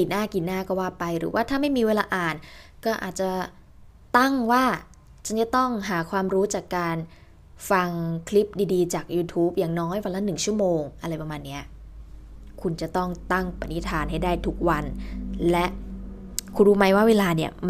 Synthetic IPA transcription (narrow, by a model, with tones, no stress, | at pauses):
iː˨˩naː˥˩ki˨˩naː˥˩kɔː˥˩waː˥˩pa˧jɾɯ̰ː˩˦waː˥˩t̪ʰaː˥˩ma˥˩jmiː˧weː˧laː˧ʔaː˨˩nkɔː˥˩ʔa̰ː˨˩t̪̚t͡ɕa˨˩ | t̪a˥˩ŋwaː˥˩ | t͡ɕʰa˥˩t͡ɕa˧˩t̪ɔ˥˩ŋɦaː˩˦kʰwaː˧mɾuː˦˥t͡ɕaː˨˩kːaː˧n | fa˧ŋkʰli˦˥p̚diː˧diː˧t͡ɕaː˨˩k̚juː˧t̪ʰuː˦˥p̚jaː˨˩ŋnɔː˦˥jwa˧nla˦˥nɯ˨˩ŋt͡ɕʰu˥˩əmoː˧ŋʔa˧ɾa˧jpɾa˧maː˧nːi˦˥ɐ | kʰu˧nt͡ɕa˨˩t̪ɔ˥˩ŋt̪a˥˩ŋpa˧˩ni˦˥t̪ʰaː˧nɦa˥˩jdaː˥˩jt̪ʰu˦˥k̚wa˧nlɛ˦˥ʔ | kʰu˧nɾuː˦˥ma˦˥jwaː˥˩weː˧laː˧ni˦˥˩ɐm˧